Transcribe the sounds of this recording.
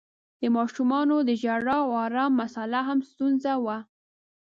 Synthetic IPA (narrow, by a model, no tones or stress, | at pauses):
d̪̥əmɑʃumɑnod̪əʒaɽɑɑɾɑmːasalaɦamst̪unzawa